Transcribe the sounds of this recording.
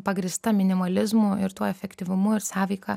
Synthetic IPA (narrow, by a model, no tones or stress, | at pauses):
pɐɡɾʲɪst̪ɐmʲɪnʲɪmɐlʲɪzmuɪɾt̪uɔɛfʲɛkt̪ʲɪʋʊmʊɪɾsɑːʋʲɛɪkɑ